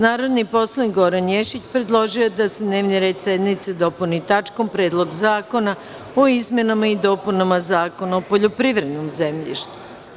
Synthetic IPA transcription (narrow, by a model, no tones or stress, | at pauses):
naːɾo̞d̪nipo̞slˠaniɡo̞ɾanjeʃit͡ɕpɾe̞d̪lˠo̞ʒiojed̪ased̪ne̞ːʋniɾe̞ːd̪se̞d̪nit̪sed̪o̞punit̪at͡ʃko̞mpɾe̞ːd̪lˠo̞ɡzaːko̞na | oizmʲje̞namaid̪o̞punamazaːko̞naopoʎopɾiʋɾe̞d̪nomzemʎḭʃt̪u̥